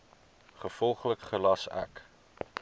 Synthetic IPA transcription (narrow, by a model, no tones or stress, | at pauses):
χəfɔlˠχləkχəlɐsæ̰k